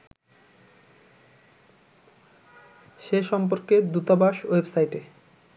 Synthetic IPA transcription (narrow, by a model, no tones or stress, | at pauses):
ʃeʃɔmp̬oɾked̪ut̪abaʃowebsajʈe